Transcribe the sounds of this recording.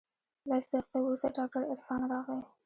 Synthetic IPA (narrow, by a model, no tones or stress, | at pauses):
lɑsd̪əqewɾust̪aɖɑk̚ʈaɾɪɾfɑnɾɑɣle